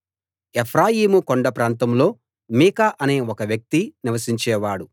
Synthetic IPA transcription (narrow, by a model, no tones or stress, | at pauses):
epʰɾaːjiːmukoɳɖɐpɾaːnt̪ɐmlo̞ː | miːkaʔɐne̞ːokɐʋjɐk̚t̪iniʋɐsiɲt͡ʃɛːʋaːɽu